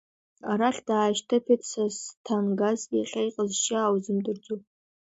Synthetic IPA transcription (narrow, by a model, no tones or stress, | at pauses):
aɾaɬʲd̥aːʃtʰapʰetʰʼsastʰanɡazaχʲajqʼəzʃaːwzɨmdɨrd͡zupʼ